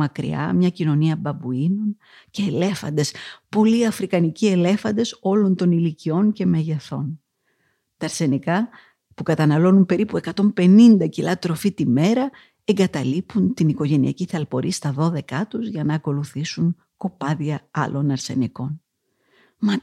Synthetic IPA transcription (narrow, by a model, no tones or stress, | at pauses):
ɐkɾḭɐ̰mɲɐcino̞niɐbɐbuino̞n | ce̞ːle̞fɐ̰nd̪e̞spo̞liɐfɾikɐnicie̞le̞fɐnd̪e̞so̞lo̞nt̪o̞nilicio̞nce̞meʝeθo̞̰n | t̪ɐːɾse̞nikɐ | pukɐt̪ɐnɐlo̞numpe̞ɾipue̞kɐt̪o̞mpe̞nind̪ɐcilɐt̪ɾo̞fit̪ime̞ɾɐ | e̞ŋɡɐt̪ɐlipunt̪iniko̞ʝe̞niɐ̰ciθɐlpo̞ɾʔist̪ɐðo̞ðe̞kɐt̪uzʝɐnɐːko̞luθisuŋ | ko̞pɐðiɐɐ̰lʔo̞nɐɾse̞̰niko̞n | mɐ